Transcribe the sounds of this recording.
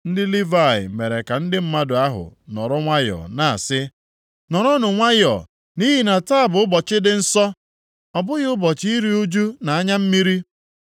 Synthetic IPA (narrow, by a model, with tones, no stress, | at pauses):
n̩˦dɪ˦li˦va˦˨ɪ̰˨me˨ɾe˨ka˨n̩˦dɪ˦m̩˦ma˦dʊ˨a˦ɦʊ̰˨nɔ̰˨ɾɔ˦ŋʷa˦jɔ̰˨na˨a̰˨sɪ˦ | nɔ˨ɾɔ˦nʊ˨ŋʷa˦jɔ̰˨ | ni˦ɦi˨na˨ta˦a˨bʊ˨ʊ˦bɔ˨t͡ʃɪ˦dɪ˨n̩˦sɔ˦ | ɔ˨bʊ˦ɣɪ˦ʊ˦bɔ˨t͡ʃi˦ɾi˦u˦d͡ʒu˦na˨a˦ɲa˦m̩˦mi˦ɾi˦